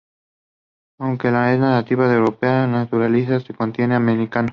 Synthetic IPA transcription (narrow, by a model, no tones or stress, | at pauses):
awŋkelaesnaɣat̪iβaðewɾopeanat̪uɾalisasekont̪je̞neameɾikano